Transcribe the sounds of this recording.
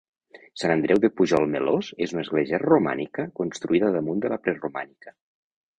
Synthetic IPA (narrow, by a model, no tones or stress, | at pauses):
sanənd̪ɾɛwðepuʒɔlˠmelozezunəzɣleʒɛrruma̰nikəkonst̪ɾuiðəðəmund̪əlapɾɛruma̰nikə